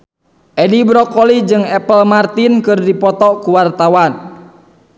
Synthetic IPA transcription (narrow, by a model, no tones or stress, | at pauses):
ʔɛdibɾɔkɔlid͡ʒɨŋɛpəlmart̪inkɨrdipɔt̪ɔkuwart̪awan